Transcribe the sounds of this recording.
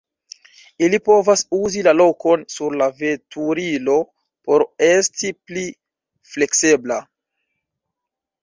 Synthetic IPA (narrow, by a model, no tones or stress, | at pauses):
ilipo̞vasuzilalo̞ko̞nsuɾlave̞tʰuɾilo̞ | po̞ɾe̞stipli | fle̞ksebla